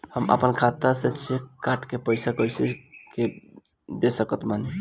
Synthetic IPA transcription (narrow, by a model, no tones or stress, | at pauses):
həmə̰pənkʰat̪aset͡ʃʰekaʈʰkepəjsakəjsike | d̪esəkət̪mani